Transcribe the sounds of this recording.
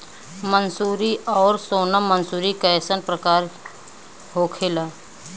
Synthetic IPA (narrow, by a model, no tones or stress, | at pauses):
mənsuːɾiʔɔːɾsoːnamənsuːɾikəesənpɾəkaːɾ | ɦoːkʰɪla